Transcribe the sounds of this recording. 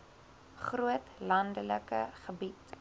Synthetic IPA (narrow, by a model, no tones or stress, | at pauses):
χruətlɐndələkəχəbit